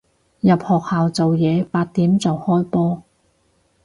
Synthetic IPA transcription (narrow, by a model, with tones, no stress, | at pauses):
jɐ˨p̚hɔː˨k̚haː˨wt͡so˨wjɛː˨˧paː˧t̚t̪iː˨˥mt͡sɐ˨whɔː˥jpɔː˥